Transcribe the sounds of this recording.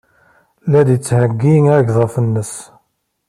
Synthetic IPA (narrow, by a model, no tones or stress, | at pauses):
lːæd̪jət͡sːhəɡːiŋæʝðˤɑfənːəs